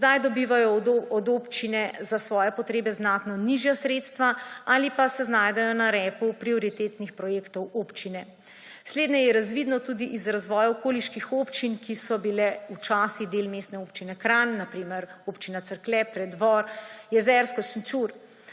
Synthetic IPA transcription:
zd̪ajd̪ɔbiʋajɔɔd̪opt͡ʃinɛzasʋɔːjɛpɔt̪ɾeːbɛznaːt̪nɔniʒjasɾeːt̪st̪ʋaalipasɛznaːjd̪ɛjɔnaɾɛːpupɾioɾit̪eːt̪nixpɾɔjeːkt̪ɔwoːpt͡ʃinɛ | sleːd̪nɛjɛɾazʋid̪nɔt̪uːd̪iʔizɾazʋɔːjaɔkoːliʃkixoːpt͡ʃinkisɔbilɛut͡ʃaːsiɣd̪eːlmeːst̪nɛopt͡ʃinɛkɾanːapɾiːmɛɾoːpt͡ʃinat̪səɾklɛpɾɛd̪ʋɔɾjɛzɛɾskɔsnt͡ʃuɾ

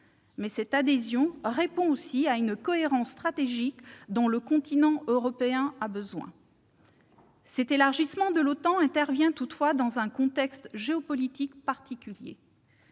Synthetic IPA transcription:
mɛsɛt̪ad̪ezjɔ̃ʁepɔ̃osiaynkɔeʁɑ̃sːt̪χat̪eʒikd̪ɔ̃ləkɔ̃t̪inɑ̃øʁɔpeɛ̃abəzwɛ̰̃ | sɛt̪elaʁʒismɑ̃d̪əlot̪ɑ̃ɛ̃t̪ɛʁvjɛ̃t̪ut̪fwad̪ɑ̃zɛ̃kɔ̃t̪ɛkst̪ʒeɔpɔlit̪ikpaʁt̪ikʲyljḛ

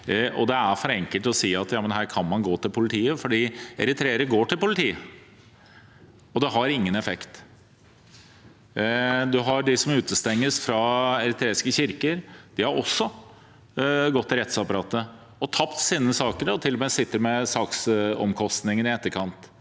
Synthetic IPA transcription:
ɔ̰d̪ɛæɾfɔɾɛŋkəlt̪ɔsiːɑt̪jɑːmənɦæːɾkʰɑnmɑnɡoːt̪ʰɪlpʰʊlɪt̪ʰiːəfɔɖiːɛɾɪt̪ʰɾeːəɾəɡoːʈʰɪlpʊlɪt̪ʰiːə | ɔd̪ɛɦɑɾɪŋːənɛfɛkt̪ | d̪ʉɦɑɖɪsɔmʉːt̪əst̪ɛŋːəsfɾɑɛɾɪt̪ʰɾeːɪskəɕɪɾkəɾd̪̥ɪhɑɾɔ̰sːɔ | ɡɔt̪ːɪɾɛt̪sɑpɑɾɑːt̪ːə | ɔt̪ʰɑpt̪siːnəsɑːkəɾɔt̪ʰɪlːɔmeːsɪt̪ːəɾmɛsɑːksɔ̰mkʰɔst̪nɪŋənɪɛt̪ːəɾkʰɑnt̪

